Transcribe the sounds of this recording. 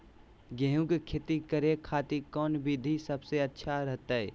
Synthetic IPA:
ɡẽɦũɡkʰet̪ikəɾekʰaːt̪ikɔːnbʱid̪ʱisəbseətːʃʰaɾəɦt̪aɦɛ

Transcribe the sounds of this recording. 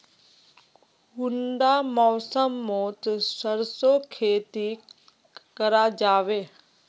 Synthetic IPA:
ɡʊɳɖaːmɔːsəmːoːt̪səɾsokʰeːt̪i | kəɾad͡ʒaːʋeː

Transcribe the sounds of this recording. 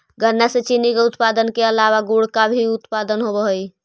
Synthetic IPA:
ɡʱəɾnːasẽt͡ʃinikeut̪pad̪ənkeəlaβaɡuɽkabʱiut̪pad̪ənɦobəɦoj

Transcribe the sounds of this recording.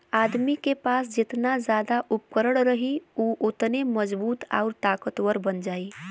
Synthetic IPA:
aːd̪mikepaːsd͡ʒɪt̪nazjaːd̪aʔʊp̚kəɾəɽɾəɦiuːʔʊt̪neməd͡ʒbuːt̪a̰ʊɾt̪aːkət̪wəɾbənd͡ʒaːi

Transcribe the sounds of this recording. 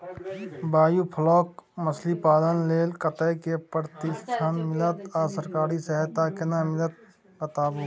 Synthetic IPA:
baːjupʰəlɔːkməslipaːlənleːlkət̪əkepɾt̪ɪʃʈʰanmɪlət̪aːsəɾkaːɾisɛɦɛt̪akɪnamɪlət̪̚ | kət̪aːbo

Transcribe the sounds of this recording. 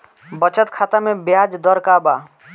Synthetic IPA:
bət͡ʃət̪kʰaːt̪amẽbjaːd͡ʒd̪əɾkaːba

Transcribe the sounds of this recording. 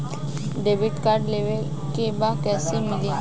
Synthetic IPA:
ɖebiʈkaɾɖleʋe | kebakɛsimili

